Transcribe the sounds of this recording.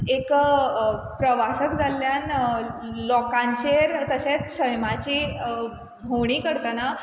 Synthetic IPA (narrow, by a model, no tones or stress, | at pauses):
ek | pɾəʋasəkd͡zʱalːjan | lɔkãɲt͡ɕeɾt̪əɕat͡ssəjmat͡ɕi | bʱowɳ̃iːkəɾt̪əna